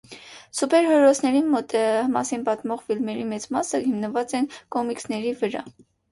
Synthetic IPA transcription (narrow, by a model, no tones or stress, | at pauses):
supʰɛɾhəɾɔsnɛɾimɑ̰sinpɑt̪mɔʁfilmɛɾimɛt͡smɑsəhimnəvɑt͡sɛnkɔmiksnɛɾivəɾɑ̰